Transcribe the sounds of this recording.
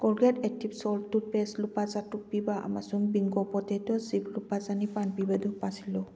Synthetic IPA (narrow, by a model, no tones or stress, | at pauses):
kɔɹɡɛtɛk̚tʰibsɔltʊpɛslupazatupibaʔa̰ma̰sumbiŋɡɔpɔtɛtɔziplupazanipanpibadupasilɔ